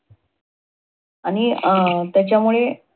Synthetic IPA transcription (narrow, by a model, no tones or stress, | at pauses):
aɽ̃it̪jat͡ɕjamuɭe